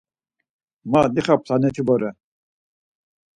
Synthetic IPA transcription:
mad̪iχapʰlanɛt̪ʰibɔɾɛ

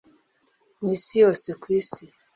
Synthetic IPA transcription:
nisiɔsikwisi

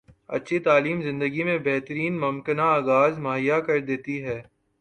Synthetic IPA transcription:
ɐ̰tːʃʰit̪aːliːmzɪ̃nd̪əɡimẽbɛɦt̪əɾiːnmʊmkənaːɡaːzmaːɦɪjakɐɾd̪eːt̪iɦɛː

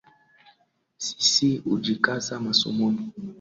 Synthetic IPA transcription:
si̥siud͡ʒikasamasṵmuni

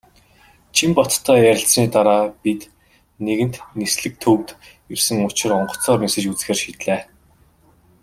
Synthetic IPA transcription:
t͡ɕʰimpɔt̪t̪ʰːœːjæɾʲɪ̆ɬsniːt̪aɾaːpit̪ | neɣɘ̆n̥t̪nisɮɘ̆k̚t̪ʰɵwt̪jersɘ̆ŋʊt͡ɕɪ̆rɔɴɢɞ̥̆t͡sɔːrmesɘ̆t͡ɕut͡sɘ̆xeːrʃiːt̪ɮeː

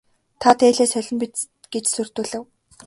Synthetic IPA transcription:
t̪ʰat̪ʰeːɮeːsœɮʲɞ̆mpʲit̪ | ɡ̥et͡ɕsɵr̥t̪ŭːɮɘ̆w

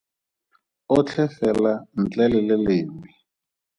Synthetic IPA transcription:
ʊt͡ɬʰɛfɛlan̩t͡ɬɛlɪlɪlɪːmi

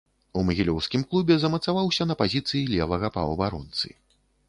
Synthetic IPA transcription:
umɐɣʲilʲɔwskʲimklˠubʲɛzɐmɐt̪savawsʲɐnɐpazʲit̪sɨjilʲɛvɐɣɐpɐ̰wbaɾɔ̰nt̪sɨ̰

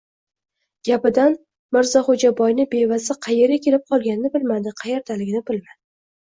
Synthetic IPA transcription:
ɡ̥ʲapɪd̪an | mɪɾzɒχod͡ʒabɒjnɪbe̞vazɪqʰɑjeɾɪkʲʰe̞lɪp̚qʰɒlˠɡʲanɪnɪbɪlmad̪ɪqʰɑjeɾt̪ʰalɪɡʲɪnɪbɪlmad̪ɪ

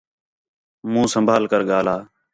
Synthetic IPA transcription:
mũːsəmbʱaːlkəɾɠaːlaː

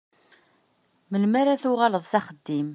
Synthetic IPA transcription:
məlmaɾaθʊʁaləðˤsæχəd̪ːim

